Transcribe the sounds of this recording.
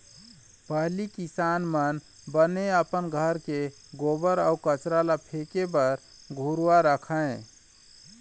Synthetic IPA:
pəɦlikisanmən | bəneəpənɡʱəɾke | ɡobəɾaukət͡ʃɾalapʰekebəɾ | ɡʱuɾuwaɾəkʰəẽ

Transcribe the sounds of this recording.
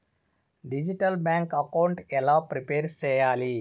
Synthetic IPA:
ɖid͡ʒiʈɐlbaːŋkɐkawɳʈɛlaːpɾipeːɾt͡ʃɛːjaːli

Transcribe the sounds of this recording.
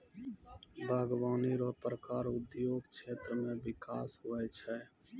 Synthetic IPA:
bʱaːɡaːniɾɔpɾəkaːɾʊd̪joːɡkt͡ʃʰeːt̪ɾəmẽʋɪkaːsɦʊɛt͡ʃʰɛ

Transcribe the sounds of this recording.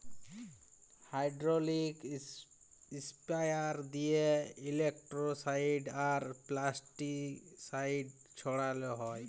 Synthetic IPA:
hajɖɾɔlik | ispajaɾd̪ijeilekʈɾɔsajɖaɾplasʈiksajɖ̚ | t͡ʃʰɔɽalɔɦɔj

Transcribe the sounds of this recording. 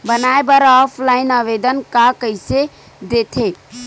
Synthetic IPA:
bənaebəɾaɔpʰlainəʋed̪ənkakəɪse | d̪et̪ʰe

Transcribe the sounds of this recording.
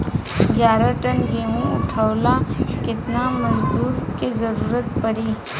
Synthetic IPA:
d͡ʒjaːɾaʈənɡeːmũʊʈʰəːlakɪt̪namɐd͡ʒd̪uːɾkezɐɾuːɾət̪pəɾiː

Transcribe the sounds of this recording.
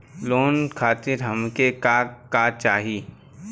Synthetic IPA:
loːnkʰaːt̪ɪɾɦɐmkekakat͡ʃaːɦiː

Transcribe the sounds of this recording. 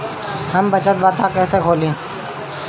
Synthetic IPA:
həmbət͡ʃət̪̚baːt̪ʰãkɛːsekʰoːlẽː

